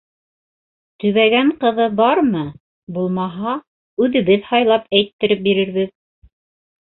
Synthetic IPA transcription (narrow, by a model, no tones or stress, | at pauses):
t̪ɵ̆βæɡæɴqɤ̆ðɤbɑɾmɤ | bulˠmɑɦɑ | ʉðɘ̆βɘðhɑjlˠɑpæjt̪ːɘ̆ɾɘp̚biɾɘ̆ɾβɘð